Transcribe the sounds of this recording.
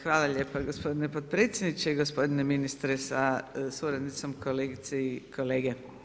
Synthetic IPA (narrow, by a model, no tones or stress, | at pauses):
xʋaːlaʎʲeːpaɡospo̞d̪inepot̪̚pɾeːt̪sʲjed̪nit͡ʃeiɡospo̞d̪ineminist̪ɾesasuːɾad̪nit̪somkʰoleːɡit̪seikʰoleːɡe